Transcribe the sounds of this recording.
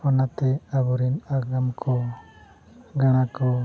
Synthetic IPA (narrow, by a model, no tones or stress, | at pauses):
ɔnat̪ɛabɔɾinaɡamkʰɔ | ɡaɽ̃akɔ